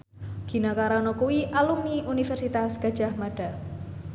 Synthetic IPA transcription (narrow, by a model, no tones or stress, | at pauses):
ɡ̥i̤nakaɾanɔkuwiʔalumiunifɛrsit̪asɡ̥a̤d̥d͡ʒ̥ahmaɖ̥a̤